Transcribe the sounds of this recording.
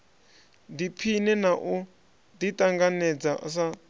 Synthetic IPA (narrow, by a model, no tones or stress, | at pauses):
dipʰinɛnaʔu | ditʼaŋɡanɛd͡zaʔsa